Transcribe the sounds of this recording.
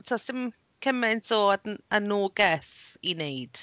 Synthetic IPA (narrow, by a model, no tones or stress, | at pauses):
tʰasɪm | kʰəmɛntoːdənoːɡɛθinejd̥